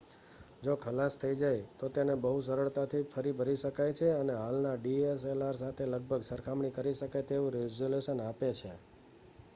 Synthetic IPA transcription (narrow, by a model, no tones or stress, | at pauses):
d͡ʒokʰəlast̪ʰəid͡ʒajt̪ot̪enebəɦus̬əɾəɭt̪at̪ʰifʰəɾibʱəɾiʃəkajt͡ʃʰeəneɦalnaɖies̬elaɾs̬at̪ʰeləɡ̚bʱəɡsəɾkʰamɳ̃ikəɾiʃəkat̪eʋũɾed͡ʒoleʃənapet͡ʃʰe